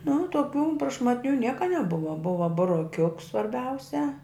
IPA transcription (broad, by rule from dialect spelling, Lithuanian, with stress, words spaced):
nʊ tuɔˈkʲuː prɐʃmɐtʲˈnʲuː ˈnʲiɛkɐ nʲɛˈbʊʋɐ ˈbʊʋɐ bʊroːˈkʲʊks sʋɐrʲˈbʲɛʊsʲɛ